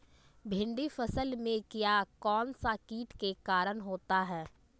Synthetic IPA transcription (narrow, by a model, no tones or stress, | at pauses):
bʱɪ̃ɳɖifəsəlmẽkijakɔːnsakiːʈkekaːɾənɦoːt̪aɦɛː